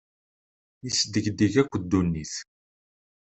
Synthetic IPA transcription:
isəd̪ːəʝd̪iʝækʷːəd̪ːunːiθ

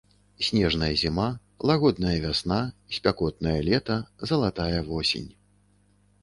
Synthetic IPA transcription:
sʲnʲɛʐnɐjɐzʲima | lˠaɣɔd̪̚nɐjɐvʲasnaisʲpʲakɔt̪̚nɐjɐlʲɛt̪ɐzɐlˠat̪ajɐvɔsʲḛnʲ

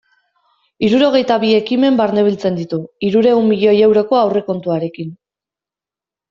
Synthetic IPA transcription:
iɾuɾo̞ɣe̞jt̪aβie̞kime̞mbaɾne̞β̞ilt͡se̞nd̪it̪uiɾuɾe̞umːiʎo̞je̞wɾo̞ko̞awre̞ko̞nt̪uaɾe̞kin

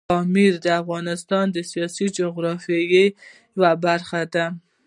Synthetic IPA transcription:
ɔmiɾd̪əafɣɑnɪst̪ɑnd̪əsijɑsid͡ʒʊɣɾɑfɑje | wabaɾxad̪a

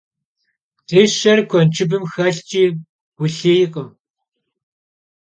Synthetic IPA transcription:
tʰeːʃɐrkʷʰɔnt͡ʃʰɪbɨmxɐɬt͡ʃʼiː | ɡ̥ʷʊɬeːjɪqʼəm

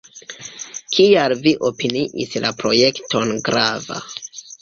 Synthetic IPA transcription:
kʰialviʔo̞piniʔḭslapɾo̞je̞kto̞nɡɾava̰

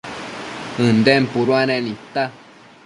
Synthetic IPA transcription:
ɨ̃nd̪ɛmpuɾwanɛ̃nĩt̪a

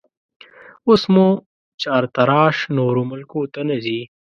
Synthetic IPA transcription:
ʊsmũ | t͡ɕaːɾt̪ɐɾɑːʃnoːɾomʊlkõt̪ɐnɐziː

